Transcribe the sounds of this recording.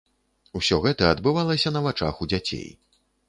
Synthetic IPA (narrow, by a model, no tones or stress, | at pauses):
usʲɔɣɛt̪ɐɐd̪bɨvalˠɐsʲɐnɐvat͡ʂa̰xud͡zʲat͡sʲḛj